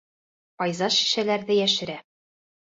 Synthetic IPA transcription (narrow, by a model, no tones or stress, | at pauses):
qɒjzɑʃi̥ʃælæɾðɘjæʃɘ̆ɾæ